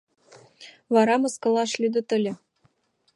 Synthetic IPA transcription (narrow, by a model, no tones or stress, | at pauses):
vɑɾɑmɤ̆skɤ̆lˠɑʃlʲyd̪ɤ̆t̪ɘ̆lʲɘ̆